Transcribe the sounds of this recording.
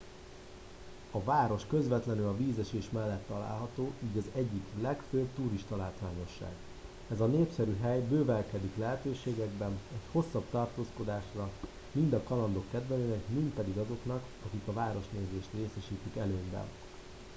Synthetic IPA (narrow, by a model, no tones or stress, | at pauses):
ɒvaːɾo̞ʃkø̞zvɛt̪lɛnylɒviːzɛʃeːʃmɛlːɛt̪ːɒla̰ːlɦɒt̪oːʔiːɟɒzɛɟːiklɛkføbt̪uːɾiʃt̪ɒlaːt̪ʋaːɲo̞ʃːa̰ːɡ | ɛzɒneːpsɛɾyɦɛjbøːvɛlkɛd̪iklɛɦɛt̪øːʃeːɡɛɡbɛnɛcho̞sːɒbt̪ɒrt̪oːsko̞d̪aːʃrɒ | mind̪ɒkɒlɒnd̪o̞kːɛd̪vɛnøːnɛkmint̪̚pɛd̪iɡɒzo̞knɒk | ɒkikɒvaːɾo̞ʃneːzeːʃt̪reːsɛʃiːt̪ikɛløːmbɛ̰n